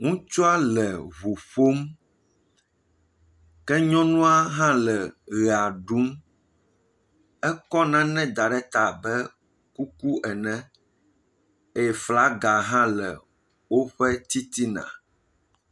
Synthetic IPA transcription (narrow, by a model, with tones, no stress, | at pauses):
ŋũ˦t͡ʃɔ˦a˦lɛ˨βo˨ɸo˦m | kɛ˦ɲɔ̃˦nũ˦a˦ɦã˦lɛ˨ɣɛ˨a˨ɖu˦m | ɛ˦kɔ˦nã˦nɛ̃˦d̪a˨ɖɛ˦t̪a˨bɛ˦ | ku˦ku˦ʔɛ˨nɛ̃˦ | e˦jɛ˦fla˦ɡa˨ɦã˦lɛ̰˨ | wo˦ɸɛ˦t̪i˦t̪i˦nã̰˨